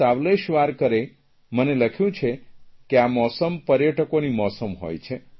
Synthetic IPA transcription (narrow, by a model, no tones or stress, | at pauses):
aʋleʃʋaɾkəɾe | məneləkʰjũt͡ʃʰekeamɔsəmpəɾjəʈʰəkonimɔsəmɦo̰jt͡ʃʰe